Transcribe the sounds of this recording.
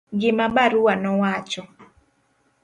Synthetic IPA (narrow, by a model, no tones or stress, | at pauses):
ɡɪmabaɾuwanɔwat͡ʃɔ